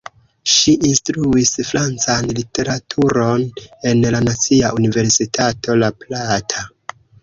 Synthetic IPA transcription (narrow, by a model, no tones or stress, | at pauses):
ʃiʔinstɾuisfɾant͡sanlitʰe̞ɾatʰuɾo̞ne̞nlanat͡siaʔunive̞ɾsitʰatʰo̞laplatʰa